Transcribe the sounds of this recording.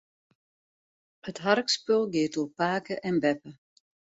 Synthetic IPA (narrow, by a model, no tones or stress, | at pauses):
ətɦarkspølˠɡɪːtuəpaːkəʔɛnbɛpə